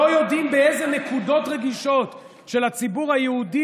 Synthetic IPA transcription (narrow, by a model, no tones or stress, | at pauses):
ojo̞dimbeezenekudo̞tʁe̞ɡiʃo̞t | ʃe̞lat͡sibuʁhajeudi